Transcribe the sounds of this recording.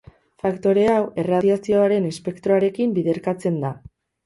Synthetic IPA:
fakt̪o̞ɾe̞awe̞raðiasio̞aɾe̞nespe̞kt̪ɾoaɾe̞kimbiðe̞ɾkat͡se̞nd̪a

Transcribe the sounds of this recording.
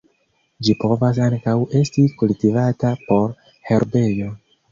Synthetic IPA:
d͡ʒipo̞vas̬aŋkawe̞stikultivatapo̞ɾ | he̞ɾbe̞jo̞

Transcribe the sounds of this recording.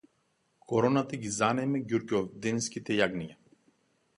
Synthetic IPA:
kʰɔɾɔnat̪aɡʲizanɛmɛɡʲuɾkɔvd̪ɛnskʲit̪ɛjaɡnija

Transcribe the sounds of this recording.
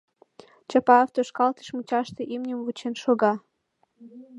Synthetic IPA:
t͡ɕɑpɑoft̪oʃkɑlt̪ə̥ʃmut͡ɕɑʃt̪ĕʔimnʲəmvut͡ɕenʃoɣɑ

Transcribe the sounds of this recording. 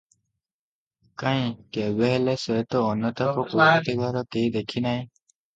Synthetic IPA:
kãj̃kɛbɛɦɛlɛsɔt̪ɔːnːɔt̪ɔpɔkuat̪iɡaɾɔkejd̪ekʰinaj

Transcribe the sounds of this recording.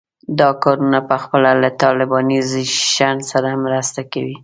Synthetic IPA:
d̪ɑkɑɾunapəxpəlalat̪ɑlɪbɑniziʃansaɾamɾast̪akawi

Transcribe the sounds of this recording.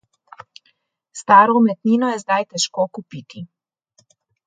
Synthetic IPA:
st̪aːɾɔumɛt̪niːnɔjɛzd̪ajt̪ɛʃkokupiːt̪i

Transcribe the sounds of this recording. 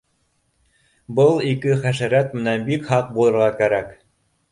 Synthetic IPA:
bɤlˠikɘχæʃæɾæt̪mɘ̆nænbikhɑq̚bulˠɤ̆ɾʁɑkæɾæk

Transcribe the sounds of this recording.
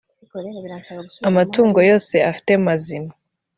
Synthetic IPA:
amatuːŋɡo̞jo̞ːse̞afi̥te̞mazima

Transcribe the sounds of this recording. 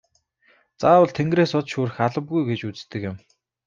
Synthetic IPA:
t͡saːwə̆ɮt̪ʰeŋɡreːsʊt̪ʃuːɾɘ̆xaɮə̆pɣujɡet͡ɕut͡st̪ɘ̆kjɪ̆m

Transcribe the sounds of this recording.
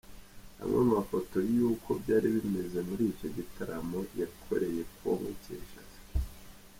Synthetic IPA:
ha̰mŋemafo̞to̞juːkʰo̞bɟaːɾiβime̞ze̞muɾiːco̞ɟitʰaɾamo̞jakʰo̞̰ɾe̞je̞kwo̰mṵcḛːʃa̰zḁ

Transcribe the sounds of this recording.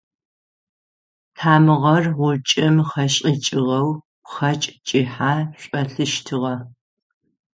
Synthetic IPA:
tʰaːmɨʁɐrʁʷʊt͡ʃʼɪmχɐɕʼit͡ʃʼɪʁɐw | χɐt͡ʃʼt͡ʃʼiħaːɕʷʼɐɬɨʃtʰɨʁɐ

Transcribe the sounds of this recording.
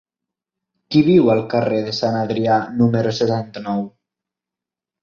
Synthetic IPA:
kiβiwəlˠkəreðesanaðɾianuməɾoset̪ant̪ənɔw

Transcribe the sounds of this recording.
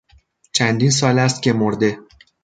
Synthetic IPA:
t͡ʃʰænd̪iːns̬ɒːlæs̬t̪̚cʰe̞moɾd̪e̞

